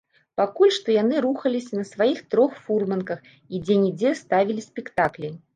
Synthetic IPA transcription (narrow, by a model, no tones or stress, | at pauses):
pakulʲʂt̪ɔjan̪ɨɾuxɐlʲisʲɐnɐsvajixt̪ɾɔxfurmɐnkɐx | id͡zʲɛnʲid͡zʲɛst̪avʲilʲisʲpʲɛkt̪aklʲi